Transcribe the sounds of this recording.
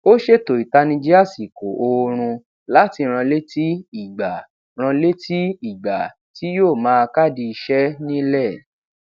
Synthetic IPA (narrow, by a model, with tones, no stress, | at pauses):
o˦ʃe˦to˨i˨ta˧nĩ˧d͡ʒi˦a˦˨si˨ko˨ʔo˧ɾ̃ũ˧ | la˨˦ti˧ɾ̃ã˧le˦ti˦i˦˨ɡ͡ba˨ | ɾ̃ã˧le˦tʰi˦i˦˨ɡ͡ba̰˨ | ti˨˦joː˦˨mãː˨˦˧ka˦˨di˧i˧ʃɛ˦nĩ˦lɛ˦˨